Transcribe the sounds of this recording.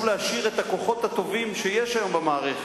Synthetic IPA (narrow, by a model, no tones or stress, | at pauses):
vleaʃiʁet̪ako̞χo̞t̪hat̪o̞vimʃejeʃajo̞mbemaːʁeχe